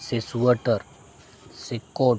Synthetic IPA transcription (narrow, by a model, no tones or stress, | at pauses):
sesuəʈəɾ | sekoː